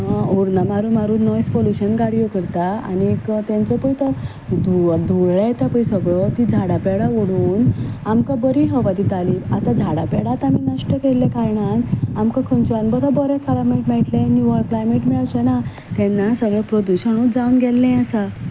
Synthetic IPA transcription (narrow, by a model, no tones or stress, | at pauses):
oɾnamaɾumaɾuːnɔjspoluɕənɡaɽijokəɾt̪aa̰nikt̪jãnt͡səpəjt̪ə | d̪ʱud̪ʱuɭɭet̪apəjsəɡɭət̪id͡zʱaɽapɛɽaʋoɽuːnamkabəɾiɦəʋad̪it̪aliat̪ad͡zʱaɽapɛɽat̪aminəʂʈəkelːekaɾɳanamkakʰənt͡sɔanbət̪ʰabɔɾekʰalameʈmɛʈlẽniʋəɭklajmeʈmɛɭt͡ɕəna | t̪ɛ̃nːasəɡɭepɾod̪uɕəɽ̃ud͡zaunɡɛlːɛ̃asa